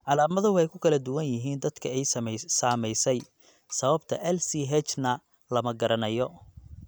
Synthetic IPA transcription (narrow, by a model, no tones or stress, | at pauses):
ʕɑlaːmɐðʊwħɛjkʰʊkʰɐlɐd̪ʊwɐnjɪɦiːnd̪ɐd̪kʰɐɛjsaːmɛjsɛj | sɐβɐbt̪ʰɐ̰ʔɛlsiɦɛt͡ʃnɐ | lɐmɐɡɐɾɐnɐjɔ